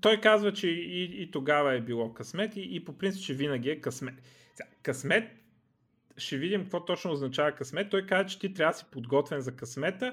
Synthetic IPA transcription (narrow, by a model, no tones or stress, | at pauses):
t̪ɔjkazvɐt͡ʃɛiːt̪oɡavɐɛbilˠɔkɐsmɛt̪iːpopɾint̪sipt͡ʃɛvinəɡ̟iɛkɐsmɛt̪ | sakɐsmɛt̪̚ | ʃɛvid̪imkvɔt̪ɔt͡ʃnoːznɐt͡ʃavɐkɐsmɛt̪ːɔjkazvɐt͡ʃɛ̥t̪it̪ɾʲavəsi̥pod̪ɡɔt̪vɛnzɐkɐsmɛt̪ə